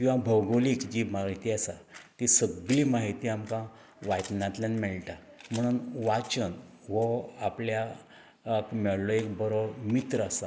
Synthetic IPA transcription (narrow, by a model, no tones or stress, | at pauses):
kĩwʋabʱəwɡoliːkd͡ʑimaɦit̪iasat̪isəɡɭiːmaɦit̪iːamkã | ʋajt̪nãt̪lanmɛɭʈa | m̤əɽ̃uːnʋat͡ɕənʋɔaplja | kmɛɭloek̚bəɾomit̪ɾəasa